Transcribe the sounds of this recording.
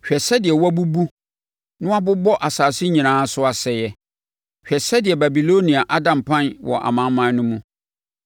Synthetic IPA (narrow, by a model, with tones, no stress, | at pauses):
ɕᶣɛ˨sɛ˦dɪ˨ɛ˨wɔ˦a˦bu˦bu˦ | nʊ̃˦a˦bʊ˦bɔ˦ʔa˨saː˨sɪ˦ɲĩ˨nãː˨˦sʊ˦a˨sɛ˨jɛ˦ | ɕᶣɛ˨sɛ˦dɪ˨ɛ˨ba˨bi˨lo˦nĩ˨a˨ʔa˦dã˨mpʰã˦nwʔɔ̰˨ʔa̰˨mã˨˦nmã˨n˦nʊ̃˦mũ˦